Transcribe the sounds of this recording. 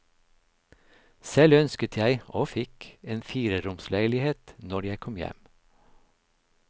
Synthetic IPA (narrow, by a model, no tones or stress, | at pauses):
sɛlœnskət̪ʰjæɪʔoːfɪkeːnfiːɾəɾʊmslæɪlɪheːt̪nɔɾjæɪkʰɔmjɛ̰m